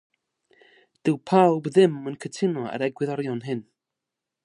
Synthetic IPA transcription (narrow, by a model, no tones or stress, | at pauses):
d̥ɪwpʰawbðɪmənkʰətʰɪnɔa̰ɾɛɡwɪðɔɾjɔnɦɪn